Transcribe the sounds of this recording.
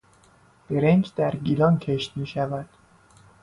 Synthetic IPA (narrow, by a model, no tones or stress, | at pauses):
b̥e̞ɾend͡ʒd̪æɾɡilɒncʰe̞ʃt̪miːʃævæd̪̥